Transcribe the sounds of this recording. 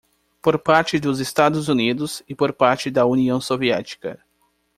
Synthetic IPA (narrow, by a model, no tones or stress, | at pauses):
poɾpaɾt͡ʃɪd̪ʊzest̪ad̪ʊzunid̪ʊsɪpoɾpaɾt͡ʃɪd̪ɐuniɐ̃w̃soviɛt͡ʃi̥kɐ̰